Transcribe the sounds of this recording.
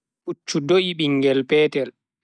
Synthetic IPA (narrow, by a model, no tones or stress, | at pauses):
ɓut͡ʃːudoʔiɓiŋɡɛlpɛːtɛl